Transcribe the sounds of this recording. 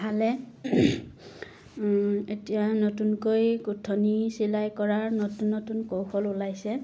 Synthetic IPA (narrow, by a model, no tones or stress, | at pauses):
ɦalɛ | etijanotunkojkutʰːonisilajkɔɹaɹnotunːotunkowxʰɔlulajsɛ